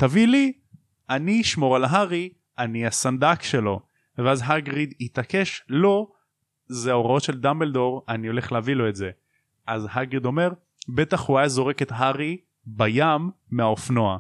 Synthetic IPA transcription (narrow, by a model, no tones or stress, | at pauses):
t̪avili | aniʃmo̞ʁalaɦaʁi | aniasand̪akʃe̞lo̞ | veazɦaɡʁid̪it̪ake̞ʃlo̞ | zeaoʁao̞tʃe̞ld̪ambeld̪o̞ʁanio̞le̞χleavilo̞e̞tze̞ | ʔazhaɡʁid̪o̞me̞ʁ | be̞t̪aχhuajazo̞ʁe̞ke̞t̪ɦaʁi | bajamː | eaofnoa̰